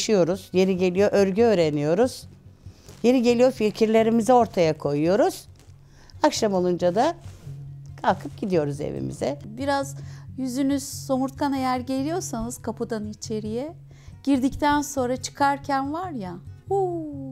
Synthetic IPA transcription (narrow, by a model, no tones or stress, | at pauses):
ʃijo̞ɾuz̥je̞ɾiɟe̞lʲijoʔøɾɟyøːɾe̞nijo̞ɾuz̥ | je̞ɾiɟe̞lʲijofilʲcʰiɾlʲe̞ɾimizɛo̞ɾt̪ʰajakʰo̞jujo̞ɾuz̥ | akʃamo̞lˠund͡ʒad̪a | kʰalˠkʰɯp̚ɟid̪ijo̞ɾuzḛvḭmḭzɛbiɾazjyzynyz̥so̞muɾt̪kʰane̞jæɾɟe̞lʲijo̞ɾsanɯz̥kʰapʰɯd̪anit͡ʃʰe̞ɾijɛ | ɟ̥iɾd̪ict̪ʰænso̞nɾat͡ʃʰɯ̥kʰaɾcʰænvaɾjahu